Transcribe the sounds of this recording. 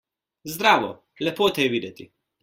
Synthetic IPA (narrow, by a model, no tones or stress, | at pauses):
zd̪ɾaːʋɔ | lɛpoːt̪ɛjɛʋiːd̪ɛt̪i